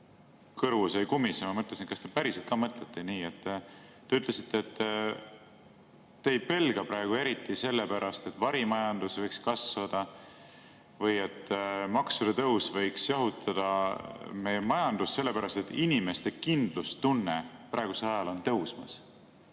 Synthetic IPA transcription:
kɤrvusejkumːisemɑmɤt̪lesinkɑst̪epæɾiselt̪̚kɑːmɤt̪le̞t̪ːeniːe̞t̪ː | e̞yt̪ːˑle̞si̥t̪ːˑeːt̪ː | eːjpe̞lɡ̥ɑpɾɑeɡ̥ue̞ɾit̪ːˑise̞lːepæɾɑst̪e̞t̪ːˑvɑɾimɑjɑnd̪̥usvɤjkskɑsvɑd̪̥ɑ | vɤje̞t̪ˑːmɑksud̪̥ɑt̪ɤwsvɤjksjɑɦut̪ʰɑd̪̥ɑmejmɑjɑnd̪̥usːe̞lːe̞pæɾɑst̪e̞t̪ːˑinime̞st̪e̞kind̪̥lust̪unːepɾɑˑe̞ɡ̥use̞lɑjɑlo̞nt̪ɤwsmɑ̰s

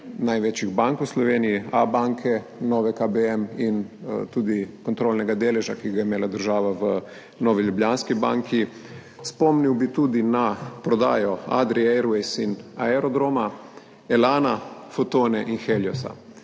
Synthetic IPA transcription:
najʋet͡ʃjiɣbaŋkwslɔʋeːnijiabaŋkʰɛnɔːʋɛkabeɛmint̪uːd̪ikɔnt̪ɾoːlnɛɡad̪eːlɛʒakiɣɡajɛimeːlad̪əɾʒaːʋaʋə | nɔːʋiljublʲjaːnskiba̰ːŋkʰi | spɔmniwbit̪uːd̪inapɾɔd̪a̰ːjɔa̰d̪ɾiɛɾuɛjsinaɛɾɔd̪ɾoːma | ɛlaːnafot̪oːnɛʔinxeljɔsa̰

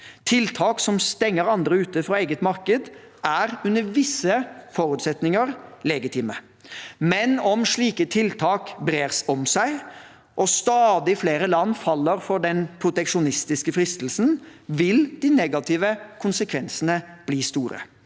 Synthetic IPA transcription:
t̪ʰɪlt̪ʰɑːksɔmst̪ɛŋːəɾɑnd̪ɾəʉːt̪əfɾɑeːɡət̪mɑɾkəd̪ | æɾʉnəɾʋɪsəfɔɾʉːt̪sɛt̪nɪŋəɾlɛɡɪt̪ʰɪːmə | mɛnɔmʂɭiːkət̪ʰɪlt̪ʰɑːkbɾeːɾsɔmsæɪ | ʔɔst̪ɑːd̪ɪfleːɾəlɑnːfɑlːəɾfɔɖɛnpʰɾʊt̪ɛkʂʊnɪst̪ɪskəfɾɪst̪l̩snʋɪld̪ɪnɛɡɑt̪ʰɪːʋəkʰʊnsəkʰʋɛnsənəb̥liːst̪uːɾə̰

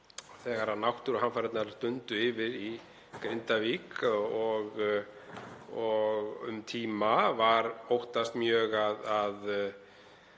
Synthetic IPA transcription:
θɛːɣaɾanawht̪ʏɾɔhanfaɾɛt̪naɾast̪ʏnt̪ʏɪːvɪði | kɾejnt̪aviːkɔɣ | ɔɣʏ̰mt̪ʰiːmavaɾowht̪ast̪mjœːɣaðað

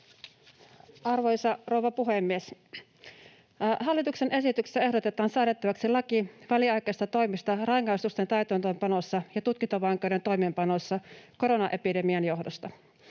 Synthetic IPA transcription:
ɑrʋojsɑro̞uʋɑpuɦemːies | ɦɑlːit̪uksenʔe̞sit̪yksi̥sːæe̞hdo̞t̪e̞t̪ɑːnsɑːɾtet̪ːɑʋɑksilɑkiʋæliɑjkeːst̪ɑt̪o̞jmist̪ɑrɑiŋːɑjst̪ust̪ent̪æyt̪øːnt̪øːmpɑnosːɑjɑt̪ut̪̚kint̪oʋɑŋkˑewɾent̪o̞jmempɑno̞sːɑko̞ɾo̞nɑʔe̞pide̞miɑnjo̞ɦdost̪ɑ

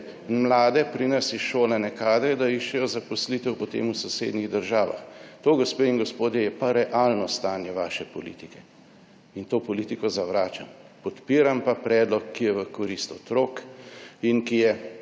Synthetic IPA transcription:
mlaːd̪ɛpɾinɐsɛʃoːlɛnɛkaːd̪ɾɛd̪aiʃt͡ʃɛjɔzapɔslit̪ɛwpɔt̪ḛːmusɔsḛːd̪niɣd̪əɾʒaːʋa̰xt̪oːɡɔspeinɡɔspoːd̪jɛjɛpaɾɛʔalnɔst̪aːnjɛʋaːʃɛpɔlḭt̪ikɛ | int̪oːpɔlit̪ikɔzaʋɾaːt͡ʃampɔt̪piːɾampapɾɛːd̪lɔkːijɛʋəkɔɾist̪ɔt̪ɾoːkinkijɛ

